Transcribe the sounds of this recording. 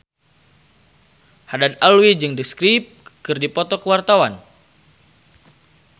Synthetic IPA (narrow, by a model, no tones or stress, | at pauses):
hadat̪̚alwid͡ʒɨŋdəskɾip̚kɨrdipɔt̪ɔkəwart̪awan